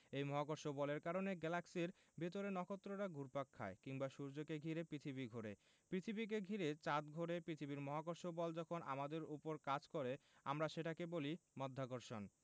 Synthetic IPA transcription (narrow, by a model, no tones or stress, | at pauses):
ejmɔɦakoɾʃobɔleɾkaɾoneɡɛlaksiɾ | bet̪oɾenɔkot̪ːɾoɾaɡʱuɾpakʰːa̰ekiŋbaʃuɾd͡ʑokeɡʱiɾepɾit̪ʰibiɡʱoɾḛ | pɾit̪ʰibik̬eɡʱiɾet͡ɕat̪ɡʱoɾepɾit̪ʰibiɾmɔɦakoɾʃobɔld͡ʑɔkʰona̰mad̪eɾupoɾkad͡ʑkoɾea̰mɾaʃeʈakebolimɔd̪ʱːakoɾʃon